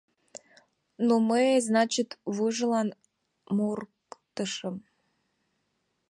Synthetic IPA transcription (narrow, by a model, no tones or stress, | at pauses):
noməeznɑt͡ɕit̪βɨʒəlɑn | murkt̪əʃə̆m